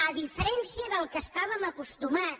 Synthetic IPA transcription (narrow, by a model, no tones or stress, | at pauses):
əðifəɾɛnsiəðəlˠkəst̪aβ̞əməkust̪umat